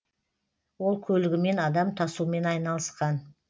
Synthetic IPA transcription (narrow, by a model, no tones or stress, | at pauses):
wo̞lˠkʲʰɵlɪɡʲɪme̞nɑd̪ɑmt̪ʰɑsume̞nɑjnɑlˠəsqɑn